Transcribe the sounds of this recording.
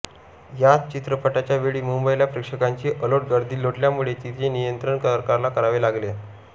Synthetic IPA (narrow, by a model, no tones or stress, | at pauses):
jat͡st͡ɕit̪ɾəpəʈat͡ɕjaʋeɭiːmumbəilapɾekʂəkaɲt͡ɕiːʔəloʈ̚ɡəɾd̪iːloʈljamuɭet̪it̪enijənt̪ɾəɳkəɾkaɾlakəɾaʋelaɡle